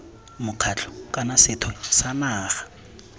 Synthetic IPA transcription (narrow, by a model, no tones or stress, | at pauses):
mʊq͡χʰat͡ɬɔ̥kʼanasɪtʰwɛsamaːχḁ